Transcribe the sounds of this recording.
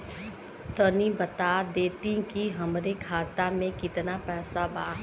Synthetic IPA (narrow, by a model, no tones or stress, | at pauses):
t̪ənibət̪aːd̪eːt̪ĩkiɦɐmɾekʰaːt̪amẽkɪt̪napɛːsabaː